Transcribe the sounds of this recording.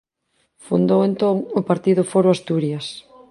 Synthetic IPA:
fund̪owent̪oŋʊpaɾt̪iðʊfoɾʊast̪uɾjas

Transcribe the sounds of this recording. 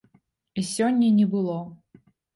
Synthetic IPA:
isʲɔnʲːɐnʲɛbɨlˠɔ

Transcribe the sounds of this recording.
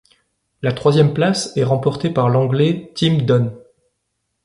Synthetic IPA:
lat̪χwazjɛmplasɛʁɑ̃pɔʁt̪epaʁlɑ̃ɡlɛt̪ʰimd̪ɔn

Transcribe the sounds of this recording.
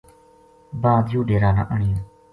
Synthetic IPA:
baːd̪juːɖeːɾaːna̰ːʔəɳɪjõː

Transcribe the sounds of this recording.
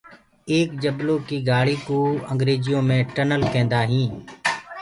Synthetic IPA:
eːk̚d͡ʒəbloːkiːɡaːɽiːkoːəŋɡɾeːzɪjõːmẽːʈənəlkɛ̃ːnd̪aːɦĩː

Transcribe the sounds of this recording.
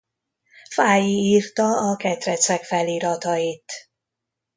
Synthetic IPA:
faːjiiːrt̪ɒɒkɛt̪rɛt̪sɛkfɛliːɾɒt̪ɒit̪

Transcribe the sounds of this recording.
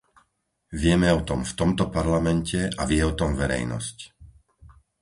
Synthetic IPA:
ʋɪɛmɛɔt̪ɔmft̪ɔmt̪ɔpaɾlamɛncɛavɪɛɔt̪ɔmvɛɾɛ̰jnɔ̰sc

